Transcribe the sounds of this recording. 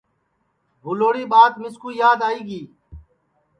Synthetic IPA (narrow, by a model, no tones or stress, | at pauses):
bʱʊloːɽiːɓaːt̪mɪskuːjaːd̪aːiːɡiː